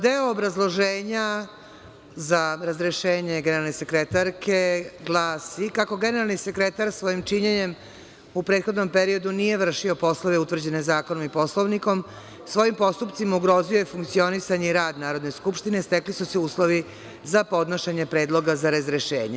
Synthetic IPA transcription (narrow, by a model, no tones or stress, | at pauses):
d̪e̞oːbɾazlˠo̞ʒeːɲa | zaɾazɾeʃeːɲe̞ɡeneɾalnese̞kɾet̪aɾkʰe̞ɡlˠaːsikako̞ɡe̞ne̞ɾalˠnisekɾet̪aɾsʋo̞imt͡ʃiɲeɲe̞m | upɾeːt̪xo̞d̪no̞mpeɾio̞d̪unije̞ʋr̩ʃio̞po̞slˠoʋe̞ut̪ʋr̩d͡ʑe̞nezaːkonomipo̞slˠoʋniko̞m | sʋo̞impo̞st̪upt̪simauɡɾo̞ziojefuŋkt̪sio̞nisaɲeiɾaːd̪naːɾod̪ne̞skupʃt̪ine̞st̪eklisuseuːslˠo̞ʋi | zapo̞d̪noʃeɲe̞pɾe̞ːd̪lˠo̞ɡazaɾazɾeʃḛːɲe